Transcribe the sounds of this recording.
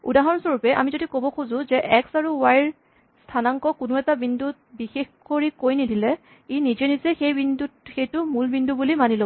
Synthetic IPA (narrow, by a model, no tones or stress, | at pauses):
ṵdaɦɔnsoɹupɛʔa̰mizodikobɔkʰuzʊ̃zɛʔɛksaɹuwajɹ | stʰanaŋkɔkunʊɛtabindut̚bixexkoɹikojnidilɛ | inizɛnizɛxejbindutxejtʊmulbindubulimanilo